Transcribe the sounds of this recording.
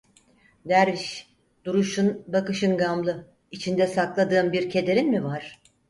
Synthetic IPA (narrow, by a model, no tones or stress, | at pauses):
d̪æɾviʃ | d̪̥uɾuʃunbakɯʃɯnɡamlˠɯ | it͡ʃʰind̪ɛsaklˠad̪ɯːmbiɾcʰe̞d̪e̞ɾinmivaɾ̥